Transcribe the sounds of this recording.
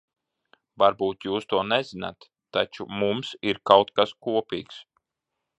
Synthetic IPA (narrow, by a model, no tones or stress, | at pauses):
vaɾbuːt̪juːst̪uɔnɛzina̰t̪ːat͡ʃumumsiɾkawt̪kaskuɔpḭːks